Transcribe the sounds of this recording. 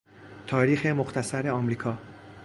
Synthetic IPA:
t̪ʰɒːɾiːxe̞moxt̪ʰæsæɾeɒːmɾiːkʰɒː

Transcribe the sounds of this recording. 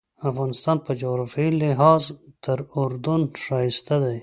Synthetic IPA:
afɣɑnɪst̪ɑnpəd͡ʒaɣɾafilɪɦɑzt̪əɾʊɾd̪unʃɑjɪst̪ad̪aj

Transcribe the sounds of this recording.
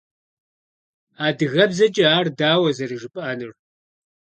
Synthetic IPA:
aːdɨɣɐbzɐt͡ʃʼɐaːrdaːwɐzɐrɨʒɨpʼaːnɨr

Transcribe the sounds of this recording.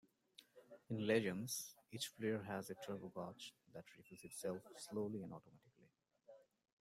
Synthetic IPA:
ɪ̃nlɛd͡ʒə̃nz̥it͡ʃfliəɹɦæzetʰɹɛvəlˠɡɑt͡ʃd̪æʈʰɾifuzɪʈsɛlfsloːliæ̃nɖɔːʈomæʈɪkli

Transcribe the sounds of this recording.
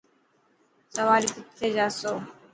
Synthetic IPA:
səʋaːliːk̪ɪt̪ʰːeːd͡ʒaːsoː

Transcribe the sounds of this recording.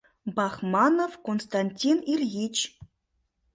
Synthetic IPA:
bɑχmɑnofkonst̪anʲtʲinirʲɣit͡ɕ

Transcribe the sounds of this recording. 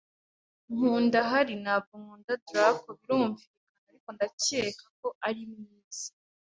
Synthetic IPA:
ŋ̥uːndaɦaɾinabuŋhuːndatuɾakoβiɾuːɱviikanaɾiko̞ndacekʰḁk̚o̞ʔaɾimŋiːz̥i̥

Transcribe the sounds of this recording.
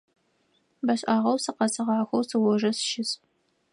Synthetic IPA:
bɐɕʼʔaːʁɐwsɨqɐsɨʁɑːxʷɐwsɨwɔʒɐsʃɪs

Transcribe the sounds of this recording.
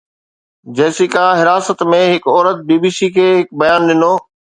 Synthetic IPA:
d͡ʑɐːsikãːɦɪɾaːsət̪mẽɦɪkɔːɾət̪̚biːbiːsikʰeːɦɪk̚bɐjaːnɗɪnoː

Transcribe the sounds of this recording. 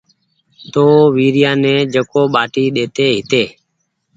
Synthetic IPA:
t̪oːʋiːɾɪjãːnẽːd͡ʒəkoːɓaːʈiːɗeːt̪eːɦɪt̪eː

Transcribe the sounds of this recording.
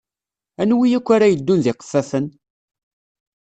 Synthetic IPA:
ænwijækʷːaɾajəd̪ːunðɪqə̥fːæθən

